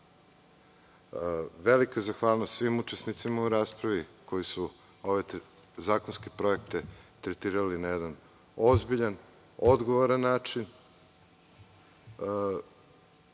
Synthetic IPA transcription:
ʋelikaezaxʋaːlˠnost̪sʋimut͡ʃesnit̪simauɾaːspɾaʋiko̞jisu | o̞ʋe̞zaːkonskepɾo̞ek̚t̪et̪ɾet̪iːɾalinajed̪an | o̞zbiʎan | o̞d̪ɡo̞ʋoɾanːaːt͡ʃin

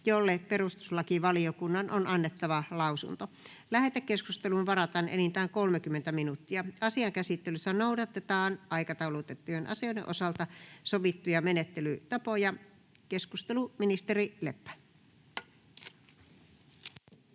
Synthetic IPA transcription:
jolːeperust̪u̥slɑkiʋɑliokunːɑnʔonʔɑnːet̪ːɑʋɑlɑusṵnt̪o | læhet̪ækkeskust̪elunʋɑrɑt̪ɑnʔḛnint̪æːŋkolmekymːent̪æminut̪ːiɑɑsiɑŋkæsit̪ːelysːænoudɑt̪et̪ɑːnʔɑikɑt̪ɑulout̪et̪ːujenʔɑ̰sionḛʔosɑlt̪ɑsoʋit̪ːujɑmenet̪ːelyt̪ɑpojɑ | keskust̪eluminist̪erilepːæ̥

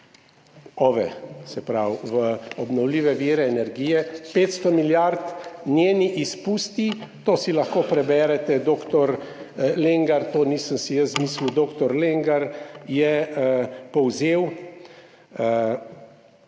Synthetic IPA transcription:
ɔːʋɛ̰sɛpɾawʋəɔbnɔwliːʋɛʋiːɾɛːnɛɾɡiːjɛpeːt̪st̪ɔmiljaɾt̪nʲjeːniʔispuːst̪it̪oːsilaxkoːpɾɛbɛːɾɛt̪ɛd̪oːkt̪ɔɾleŋɡaɾt̪oːniːsəmsijəszmiːslud̪oːkt̪ɔɾleŋɡaɾjɛ | pɔwzeːw

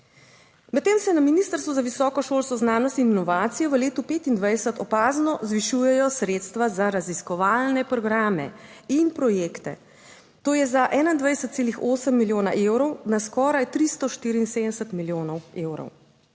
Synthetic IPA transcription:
mɛt̪ːeːmsɛnaminiːst̪əɾst̪ʋuzaʋisɔːkɔʃoːlskɔznaːnɔst̪ininɔʋaːt̪sijɔʋəleːt̪upeːt̪ind̪ʋajd̪sət̪ɔpaːznɔzʋiʃujɛjɔsɾet̪st̪ʋazaɾaziskɔʋaːlnɛpɾɔɡɾaːmɛ̰inpɾɔjeːkt̪ɛ̰ | t̪oːjɛzaʔɛːnaind̪ʋajɛsət̪seːlixoːsəmːiljoːna̰ʔewɾɔwnaskɔːɾajt̪ɾist̪ɔʃt̪iːɾiːnseːd̪ənɛsət̪miljoːnɔweːwɾɔ̰w

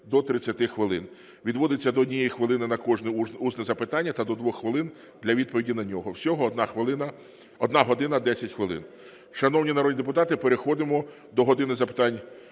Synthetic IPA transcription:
d̪ɔt̪ɾɪt͡sʲːɐt̪ɪxʋɪlˠɪ̰n | ʋʲid̪ʋɔd̪ɪt͡sʲːɐd̪ɔːdʲnʲijɛjixʋɪlˠɪnɪnɐkɔʒnɪuznɛzɐpɪt̪ɑnʲːɐt̪ɐd̪ɔd̪ʋɔxxʋɪlˠɪn | d̪lʲɐʋʲid̪̚pɔʋʲidʲinɐnʲɔɦɔwsʲɔɦɔnɑxʋɪlˠɪnɐ | ɔd̪nɑɦɔd̪ɪnɐd̪ɛsʲɐtʲxʋɪlˠɪ̰n | ʃɐnɔwnʲinɐɾɔdʲid̪ep̬ʊt̪ɑt̪ɪpeɾexɔd̪ɪmɔ | d̪ɔɦɔd̪ɪnɪzɐpɪ̥t̪ɑnʲ

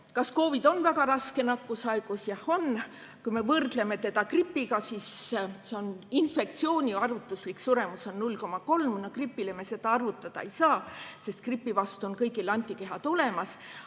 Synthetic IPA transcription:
kɑsko̞ːvid̪̥o̞nvæɡɑɾɑske̞nɑkːusɑeɡ̥usjɑho̞n | kujme̞vɤrd̪̥le̞me̞t̪e̞d̪ɑkripːiɡɑsisse̞o̞ninfe̞kt̪sio̞ːnʲiɑrvut̪ˑːusliksuɾe̞muso̞nnulʲko̞mɑko̞lmnokripːˑile̞me̞se̞d̪̥ɑɑrvut̪ːˑɑd̪̥ɑejsɑːse̞st̪̚kripːˑivɑst̪uo̞nkɤjɡilɑnʲt̪ʲːˑike̞ɦɑd̪̥o̞le̞mɑs

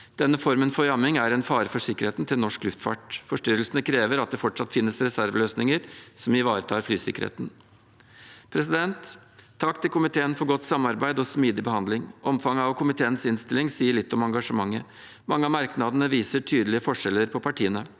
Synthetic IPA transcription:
d̪̥ɛnːəfɔɾmənfɔɾjɑmɪŋæɾɛnfɑːɾəfɔʂɪkːəɾheːt̪nt̪ʰɪlnɔʂklʉft̪fɑ̰ʈfɔʂʈʏɾəlsənəkʰɾeːʋəɾɑt̪̚d̪ɛfɔʈʂɑt̪fɪnːəsɾɛsæɾʋløːsnɪŋəɾsɔmɪʋɑːɾət̪ʰɑːɾflyːsɪ̰kəɾhḛːt̪n | pʰɾɛsɪd̪ɛnt̪ʰː | ɑkːt̪ɪlkʊmɪt̪ʰeːənfɔɾɡɔt̪ːsɑmːɑɾbæɪd̪ɔsmiːd̪ɪbəhɑnd̪lɪŋʔɔmfɑŋːəɑʋkʰʊmɪt̪ʰeːənsɪnst̪ɪlɪŋsiːəɭɪt̪ːɔmɑŋɡɑʂəmɑŋːə | mɑŋːəɑmɑɾknɑd̪ənəʋiːsəʈʰyːd̪əlɪəfɔʂɛlːəɾpʰɔpʰɑʈʰiːənə

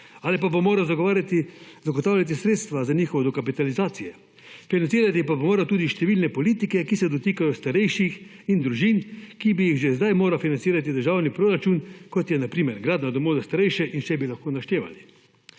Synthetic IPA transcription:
aːlipabomoːɾawzaɡaɾt̪izaɡɔt̪aːwlʲjat̪̬isɾeːt̪st̪ʋazaniːxɔʋɛd̪ɔkapit̪alizaːt̪sijɛ | finansiːɾat̪ipabomoːɾat̪uːd̪iʃt̪ɛʋiːlnɛpɔliːt̪ikɛkisɛd̪ɔt̪iːkajɔst̪aɾɛjʃix | ind̪ɾuʒinkibijiɣʒɛzd̪ajmoːɾafinant̪siːɾat̪̬id̪əɾʒaːwnipɾoːɾat͡ʃunkɔt̪jɛnapɾiːmɛɾɡɾaːd̪nad̪ɔmoːzast̪aɾɛjʃɛʔinʃɛbilaxkoːnaʃt̪eːʋa̰li

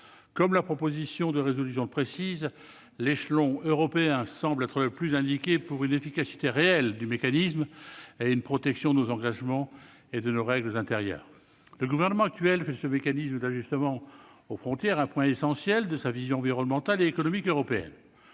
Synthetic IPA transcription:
kɔmlapχɔpozisjɔ̃d̪əʁezɔlysjɔ̃pχesiz | leʃlɔ̃øʁɔpeɛ̃sɑ̃blɛt̪χələplyzɛ̃d̪ikʲepuʁynefikasi̥t̪eʁeɛld̪ymekanismeynpχɔt̪ɛksjɔ̃d̪ənozɑ̃ɡaʒmɑ̃ | ed̪ənoʁɛɡləzɛ̃t̪eʁjœ̰ːʁ | ləɡuvɛʁnəmɑ̃ak̚t̪ɥɛlfɛsəmekanisməd̪aʒyst̪əmɑ̃ | ofχɔ̃t̪jɛʁɛ̃pwɛ̃esɑ̃sjɛld̪əsavizjɔ̃ɑ̃viʁɔnmɑ̃t̪aleːkɔnɔmikøʁɔpeɛ̰n

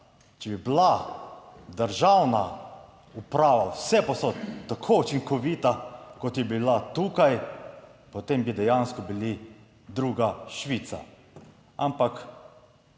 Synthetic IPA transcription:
t͡ʃɛbibla | d̪əɾʒawna | upɾaːʋawsɛposot̪t̪ːakʰout͡ʃiŋkɔʋit̪akɔt̪jɛbilat̪uːkaj | pɔt̪embid̪ɛjanskɔbili | d̪ɾuːɡaʃʋit̪sa̰ | ampak

